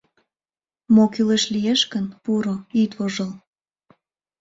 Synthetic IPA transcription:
mokyleʃlijeʃkənpuɾoyt̪voʒəl

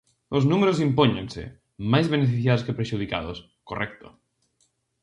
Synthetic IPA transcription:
oznumeɾos̬impoɲḛ̃nsḛ | majzβenefiθjaðoskepɾeʃuð̞ika̰ðos | korʔɛk̚t̪o̰

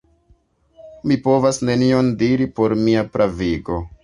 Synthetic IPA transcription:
mipo̞vasne̞nio̞ndiɾipo̞ɾmiapɾʔaviɡo̞

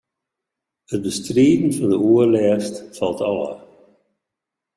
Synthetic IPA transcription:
ət̚bəst̪ɾiːd̪n̩fɑnd̪əuəlɛːstfalˠtʰawa̰

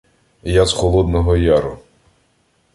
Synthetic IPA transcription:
jazxɔlˠɔd̪nɔɦɔjaɾʊ

